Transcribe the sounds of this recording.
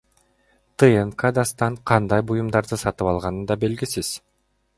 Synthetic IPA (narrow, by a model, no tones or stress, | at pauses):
t̪ɨenkad̪ɑst̪ɑɴqʰɑnd̪ɑjbujumd̪ɑɾd̪ɯsɑt̪ɯpɑlˠʁɑnɯnd̪ɑbe̞lɡisiz̥